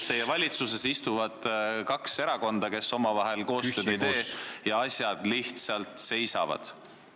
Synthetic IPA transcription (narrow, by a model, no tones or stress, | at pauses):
t̪e̞jevɑlʲit̪suse̞sist̪uvɑd̪̥kɑkse̞ɾɑko̞nd̪̥ɑke̞so̞mɑvɑɦe̞lko̞ːst̪ø̞ːd̪ejd̪e̞ːjɑɑsʲjɑd̪̥liht̪sɑlt̪ˑse̞jsɑ̰vɑ̰d̪̥